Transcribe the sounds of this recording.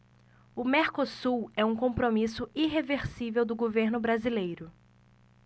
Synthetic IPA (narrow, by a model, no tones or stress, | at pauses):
ʊmeɾkosuwɛũkõpɾomisʊiɦeveɾsivewd̪ʊɡoveɾnʊbɾazilejɾʊ